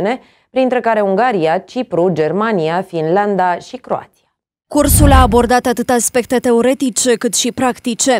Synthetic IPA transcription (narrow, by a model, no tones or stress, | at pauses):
ne̞ | pɾint̪ɾe̞kaɾe̞uŋɡaɾiat͡ʃipɾud͡ʒe̞rmaniafinland̪aʃikɾo̞̰a̰t̪si̥a | kursulaːbo̞rd̪at̪at̪ɨt̪aspe̞kt̪e̞t̪e̞o̞ɾe̞t̪it͡ʃe̞kɨt̪ʃipɾakt̪it͡ʃe̞